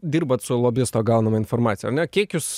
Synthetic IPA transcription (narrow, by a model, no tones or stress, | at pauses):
d̪ʲiːɾbɐt̪sʊlˠoːbʲɪst̪oːɡɑˑʊnɐmɐɪnfoːɾmɑːt̪sʲɪjɛɐɾnʲɛkʲiɛkkjʊs